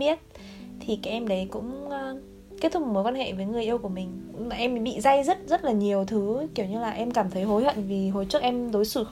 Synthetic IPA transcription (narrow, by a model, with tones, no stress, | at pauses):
i˦˥ət̚ | t̪ʰi˨˩kaː˦˥k̚ʔɛ˧mɗə˨˦jkʊ̰˧˥ŋ͡mː | ke˦˥t̪ʰʊ˦˥k̚məː˨˦jkwaː˧nhɛ̰˧˨vəː˨˦jŋɨ˨˩əjʔi˧əwku˧˩əmï˨˩ŋ̟̰˧˥ŋ͡mʔɛ˧m˨˦ɓḭ˧˨za˧jzə˦˥t̚zə˦˥t̚laː˨˩ɲi˨˩əwt̪ʰɨ˨˦ki˧˩əwɲɨ˧laː˨˩ʔɛ˧mkaː˧˩mt̪ʰə˨˦jɦo˨˦jhwə̰˧˨nvi˨˩ɦo˨˩jt͡ɕɨ˦˥ək̚ʔɛ˧mzo˨˦jsɨ˧˩x